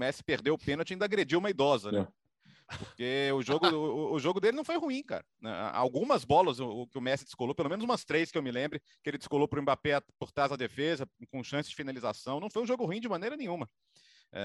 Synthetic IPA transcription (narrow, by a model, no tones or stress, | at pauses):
mɛsɪ̥peɾd̪ewʊpẽnot͡ʃɪaĩd̪ɐaɡɾed͡ʒiwũmɐid̪ɔzɐnɛ | oɾkeʊʒoɡʊːʒoɡʊd̪elɪnɐ̃w̃fojhuĩka̰ɾɐnɛ̰a̰a̰wɡũmɐzbɔlɐzʊʊkɪʊmɛsɪd̪ɪskolowpelomẽnʊzũmɐst̪ɾejskɪewmɪlẽmbɾɪ | kɪelɪd͡ʒ̪ɪ̥skolopɾʊ̃ẽbapeapoɾt̪ɾazɐd̪efezɐkõʃɐ̃sɪ̥zd͡ʒɪfinaliza̰sɐ̃w̃nɐ̃w̃fojũʒoɡʊhuĩd͡ʒɪmɐ̃nejɾɐnẽj̃ũmɐ | ɛ̰